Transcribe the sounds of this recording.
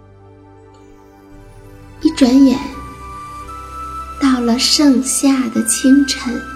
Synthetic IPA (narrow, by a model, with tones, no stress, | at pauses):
i˥˩ʈ͡ʂwa˧˥njɛ˨˩˦n | t̪ɑ˥˩ʊlə˩ʂɤ˥˧ŋɕja˥˩d̪ə˩t͡ɕʰi˥ŋʈ͡ʂʰə˧˥n